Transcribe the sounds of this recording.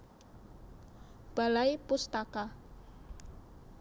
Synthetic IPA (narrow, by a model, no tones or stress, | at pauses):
b̥a̤laipust̪aka